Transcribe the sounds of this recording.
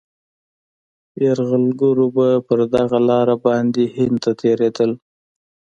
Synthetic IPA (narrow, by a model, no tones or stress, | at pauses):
jaɾɣalɡuɾobapəɾd̪aɣalɑɾabɑnd̪ehɪn̚t̪at̪ʰeɾed̪əl